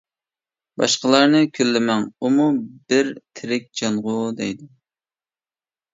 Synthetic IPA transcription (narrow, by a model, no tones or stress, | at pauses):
bɑ̰ʃqəlˠɑɾnɨkʲʰølːɪmɛŋumubɪɾt̪ʰɪɾɪk̚ʲd͡ʒɑnʁʊd̪ɛjd̪ɪ